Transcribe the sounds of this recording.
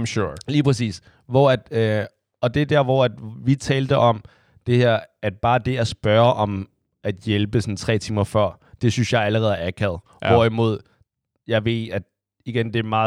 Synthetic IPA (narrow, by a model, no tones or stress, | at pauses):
mɕoliːpʰʁɛsḭːs | ʋɒæd̥ | ɒ̽d̥e̝d̥æɐʋɒæd̥ʋit͡sʰɛːld̥əʔɒ̽m | d̥e̝hæɐ̰æd̥̚b̥ɑ̈ːd̥e̝æsb̥ɶɐʔɒ̽m | ʔæd̥jelb̥əsɒ̽nt͡sʰʁɛ̰ːt͡sʰiːmɐfɶɐ̰ | d̥e̝synsjɑ̈ɪæləʁɛːðˠɐækʰæð̩̥ˠ | ɒɐimo̝ð̞̰ˠ | jɑ̈ɪʋe̝̰̥æd̥ | iɡ̥end̥e̝mɑ̈ː